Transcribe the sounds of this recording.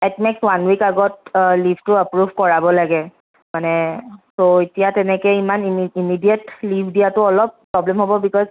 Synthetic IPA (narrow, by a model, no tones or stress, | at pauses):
ɛtmekswanwikaɡɔtliftʊəpɹubʱkɔɹabɔlaɡɛ | manɛsoetijatɛnɛkɛimaniimidijətlibʱdijatʊɔlɔpː | ɹɔblɛmɦobɔbikɔz